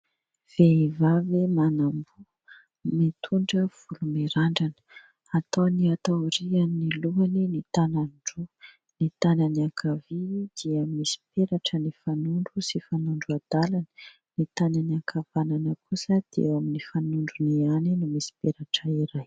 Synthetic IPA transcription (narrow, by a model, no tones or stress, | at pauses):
v̥eivavemanambu | mit̪ʰuɳɖ͡ʐəv̥ulumeɾaɳɖ͡ʐanə̥ | at̪oniat̪aɾianniluaninit̪ananɖ͡ʐu | nit̪ananiakʰavid̪̥iəmisi̥peɾaʈ͡ʂənifanuɳɖ͡ʐusifanuɳɖ͡ʐuad̪̥alanə̥ | nit̪ananiakʰavananəkʰusəd̪̥iewaminifanuɳɖ͡ʐunianinumisi̥peɾaʈ͡ʂəiɾaj